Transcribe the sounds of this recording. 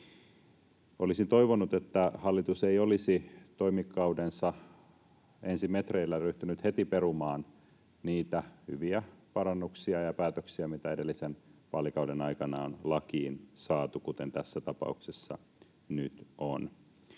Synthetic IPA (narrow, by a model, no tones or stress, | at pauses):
olisint̪o̞iʋonut̪et̪ːæhɑlːit̪useiolisit̪o̞imikːɑudensɑ | ensimet̪reilːæryht̪ynyt̪het̪iperumɑːn | niːt̪æhyʋiæpɑɾɑnːuksiɑjɑpæːt̪øksiɑmit̪æedelːisenʋɑlikɑudenɑikɑnɑonlɑkiːnsɑːt̪ukut̪ent̪æsːæt̪ɑpɑ̰uksesːɑ̰ | nyt̪ʔo̰n